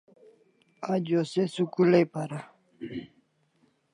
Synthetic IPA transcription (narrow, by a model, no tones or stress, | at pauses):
ad͡ʑosesukulejpaɾa